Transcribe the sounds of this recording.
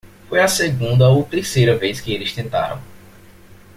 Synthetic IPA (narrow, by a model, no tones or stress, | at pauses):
fojɐseɡũnd̪ɐowt̪eɾsejɾɐveskɪelɪst̪ẽnt̪a̰ɾɐ̰̃w̃